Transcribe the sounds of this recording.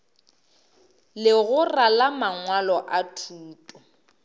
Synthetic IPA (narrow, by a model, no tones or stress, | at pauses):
lɪɣʊralamaŋwalɔʔatʰuːtʼɔ